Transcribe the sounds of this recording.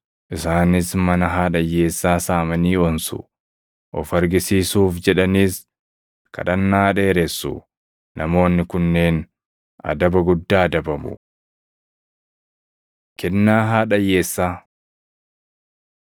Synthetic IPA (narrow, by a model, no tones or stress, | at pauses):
ʔɪsaːnɪsmɐnɐɦaːᶑɐje̞ːsːaːsaːmɐniːɔnsʊ̰ | ʔɔfɐɾɡɪsiːsuːfd͡ʒɛᶑɐniːs | kɐ̰ᶑɐnːaːᶑe̞ːɾɛsːʊ̰ | nʔɐmo̞ːnːɪkʊnːeːn | ʔɐ̰d̪ɐbɐɡʊd̪ːaːd̪ɐbɐmʊ̰ | kʰɛnːaːɦaːᶑɐjːe̞ːsːaː